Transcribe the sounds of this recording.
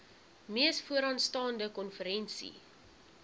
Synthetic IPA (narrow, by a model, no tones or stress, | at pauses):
miəsfuəɾɑnstɑːndəkɔnfəɾɛnsḭ